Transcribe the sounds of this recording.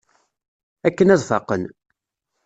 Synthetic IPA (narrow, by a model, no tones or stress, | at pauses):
ækːənæðˤfɑ̰qən